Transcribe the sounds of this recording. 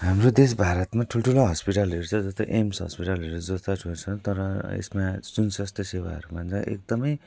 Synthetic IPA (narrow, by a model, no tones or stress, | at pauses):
ɦamrod̪es̬bʱaɾʌt̪maʈʰulʈʰuloɦʌspiʈalɦeɾut͡sʰʌd͡zʌst̪oʔemsɦʌ̰spiʈalɦeɾud͡zʌst̪atʰut͡sʰʌt̪ʌɾʌḛsmad͡zunsʌst̪ʰʌsewa̰ɦʌ̰ɾumʌnt͡sʰʌ̃ʔḛk̚d̪ʌmʌj